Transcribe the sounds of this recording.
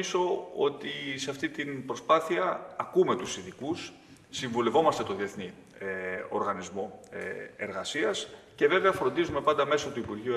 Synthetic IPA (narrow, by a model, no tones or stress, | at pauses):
iso̞o̞̰t̪iseɐft̪it̪inpɾo̞spɐθiɐːkume̞t̪usiðikusː | iɱvule̞vo̞mɐst̪e̞t̪o̞ðie̞θni | o̞̰ɾɣɐnizmo̞ | e̞ɾɣɐsiɐsce̞ve̞veɐfɾo̞nd̪izume̞pɐnd̪ɐme̞sot̪uipuɾʝiu